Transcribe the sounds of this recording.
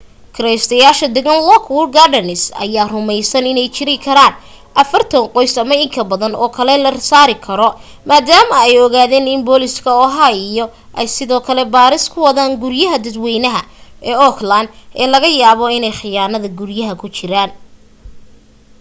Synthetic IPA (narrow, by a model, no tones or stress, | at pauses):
kʰɐɾɛjst̪ʰɐjaːʃɐd̪ɛɣɐnlɔkʰwʊlɡaɖɐnɪsɐ̰jaːrʊmɛjsɐnɪnɛjt͡ʃɪɾɪkʰɐɾaːn | ʔɐfɐrt̪ʰɐnqɔjsɐmɐɪŋkʰɐbɐðɐnɔːkʰɐlɛlɐrsaːɾɪkʰɐɾɔ | maːd̪aːmɐɛjɔɣaːðɛːnɪnbɔːlɪskʰɐɔɦaijɔ | ʔɛjsɪðɔːkʰɐlɛbaːɾɪskʰʊwɐðaːŋɡʊɾjɐɦɐd̪ɐd̪wɛjnɐɦɐʔɛːɔkʰland̪ʔɛːlɐɣɐjaːβɔɪnɛjħɪjaːnɐðɐɡʊrjɐɦɐkʰʊt͡ʃɪɾaːn